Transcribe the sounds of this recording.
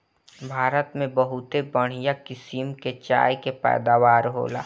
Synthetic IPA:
bʱaːɾət̪mẽbəɦʊt̪ebəɽ̤̃ijakɪsimket͡ʃa̰ːjkepɛ̰ːd̪aːʋaːɾɦo̰ːla̰ː

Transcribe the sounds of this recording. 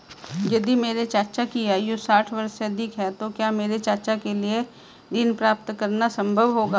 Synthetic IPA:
jɐd̪imeːɾet͡ʃaːt͡ʃakiaːjosaːʈʰʋɐɾseɐd̪ʱɪkɦɛt̪okjaːmeːɾet͡ʃaːt͡ʃakelie | d̪inpɾaːpt̪kɐɾnasɐ̃mbʱəʋɦoːɡaː

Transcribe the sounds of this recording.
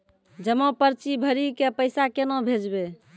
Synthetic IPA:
d͡ʒəmopəɾt͡ʃibʱəɾikepəɪsakenõbʱed͡ʒbe

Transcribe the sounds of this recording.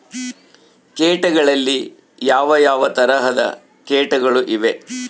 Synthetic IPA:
keːʈɐɡɐɭɐlːi | jaːʋɐjaːʋɐt̪ɐɾɐɦɐd̪ɐ̰ | keːʈɐɡɐɭuʔiʋe̞

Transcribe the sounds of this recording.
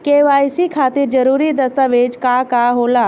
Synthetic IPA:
keːʋaːisikʰaːt̪iɾd͡ʒɐɾuːɾid̪ɐst̪aʋeːd͡ʒkakaɦoːlaː

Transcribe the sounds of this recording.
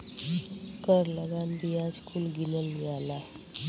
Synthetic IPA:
kəɾləɡand̪ijad͡zkʰulɡinəljala

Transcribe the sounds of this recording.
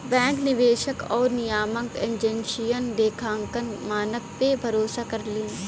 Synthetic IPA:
bɛ̃ːŋknɪʋeːʃəkɔːɾnijaːmə̃ŋkẽnd͡ʒɛ̃nʃijənd̪eːkʰãːŋkənmaːnək̚pebʱɐɾoːsakɐɾlĩː

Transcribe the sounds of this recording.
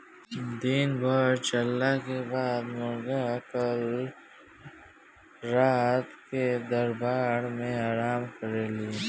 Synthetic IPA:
d̪iːnbaːɾt͡ʃɐlːakebaːd̪moɾɡakəl | ɾaːt̪ked̪ɐɾbaːɽmẽaːɾaːmkʰɐɾeːliː

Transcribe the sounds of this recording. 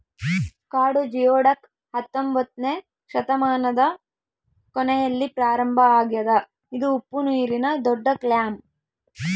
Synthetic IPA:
kaːɽud͡ʒijoːɽɐk | hɐt̪ːombɐt̪ne | ʃɐt̪ɐmaːnɐd̪ɐ | kɔnɛjɐlːipɾaːɾɐmbʱɐaːɡjɐd̪ɐ | id̪uːpːunuːɾinɐd̪ɔɖːɐkljaːm

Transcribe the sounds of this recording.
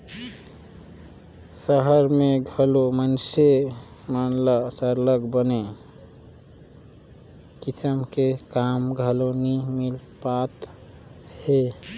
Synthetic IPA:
səɦəɾmeɡʱəlomənsemənləsəɾləɡbəne | kit͡ʃəmkekamɡʱəlonimilpat̪ | he

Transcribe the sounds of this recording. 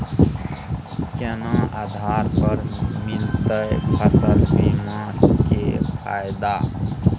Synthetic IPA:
kenãad̪ʱaːɾpəɾmint̪əjpʰəsəɾbimãkepʰa̰ːjd̪a

